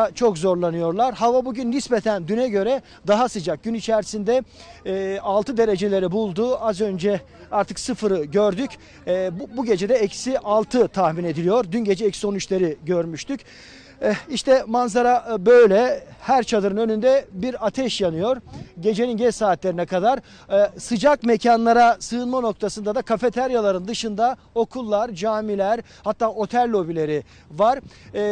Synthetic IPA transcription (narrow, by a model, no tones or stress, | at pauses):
t͡ʃʰo̞kzo̞ɾlˠanɯjo̞ɾlˠaɾhavabuɟynlʲisbet̪ʰænd̪ynɛɟø̞ɾɛ | d̪aɦasɯd͡ʒak̚ɟ̥ynit͡ʃʰæɾsind̪ɛː | alˠt̪ʰɯd̪e̞ɾe̞d͡ʒe̞lʲe̞ɾibulˠd̪uazø̞nd͡ʒɛ | aɾt̪ʰɯksɯfɯɾɯɟøɾd̪ycː | bbuɟe̞d͡ʒed̪ɛecʰsiʔalˠt̪ʰɯt̪ʰahmine̞d̪ilʲijo̞ɾd̪ynɟe̞d͡ʒɛecsio̞nyt͡ʃlʲeɾiɟøɾmyʃt̪ʰyc | iʃt̪ʰɛmanzaɾabø̞jlʲɛhæɾt͡ʃʰad̪ɯɾɯnø̞nynd̪ɛbiɾat̪ʰɛʃjanɯjo̞ɾɟe̞d͡ʒe̞ninɟɛt͡ʃsaːt̪lʲe̞ɾinɛkʰad̪aɾ | sɯd͡ʒakme̞cʰanlˠaɾasɯɯnmano̞k̚t̪ʰasɯnd̪ad̪akʰafe̞t̪ʰæɾjalˠaɾɯnd̪ɯʃɯnd̪a | o̞kʰulˠːaɾd͡ʒaːmilʲæɾ | hat̪ʰːaːo̞t̪ʰælʲːo̞bilʲe̞ɾi | vaɾ̥